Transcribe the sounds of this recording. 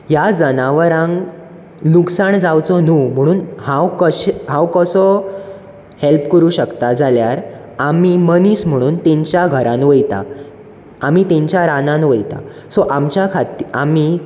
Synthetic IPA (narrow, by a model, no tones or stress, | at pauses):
jad͡zənaʋəɾãŋ | luksaɳd͡zawt͡sɔnum̤əɽ̃uːnhãwkəɕɦãwkəsɔ | helpkəɾuːɕəkt̪ad͡zaljaɾ | amiməniːsm̤əɽ̃uːnt̪ẽɲt͡ɕjaɡʱəɾãnʋəjt̪a̰ | am̤it̪ẽɲt͡ɕjaɾanãnʋəjt̪a̰ | sɔʔamt͡ɕjakʰat̪iami